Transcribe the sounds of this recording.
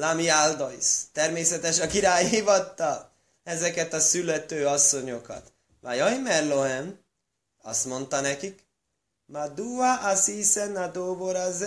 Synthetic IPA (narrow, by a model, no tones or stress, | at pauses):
lamiald̪oist̪ɛrmeːsɛt̪ɛʃɒkiɾaːjɦivɒt̪ːɒl | ɛzɛkɛt̪ɒsylːɛt̪øːɒsːo̞ɲo̞kɒ̰t̪ | vajɒjmɛrloɦɛm | ɒ̰st̪mo̞nt̪ɒnɛkik | mad̪uaʔːsisɛnad̪oːboɾazɛ